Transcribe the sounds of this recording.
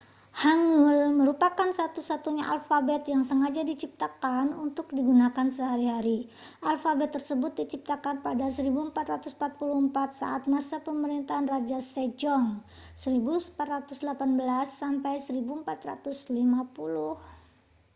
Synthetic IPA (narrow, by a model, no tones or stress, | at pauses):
haŋʊlməɾupakansat̪usat̪uɲaʔalfabɛt̪jaŋsəŋad͡ʒadit͡ʃip̚t̪akanunt̪ʊk̚diɡunakansəɦaɾiɦaɾi | ʔalfabɛt̪ːərsəbʊt̪̚dit͡ʃip̚t̪akanpadasəɾibuəmpat̪rat̪usm̩pat̪̚puluhəmpat̪̚sa̰ʔat̪̚masapəməɾint̪aɦanrad͡ʒased͡ʒɔŋ | səɾibuspat̪rat̪usdəlapanbəlasːampajsəɾibuəmpat̪ra̰t̪uslimapuluh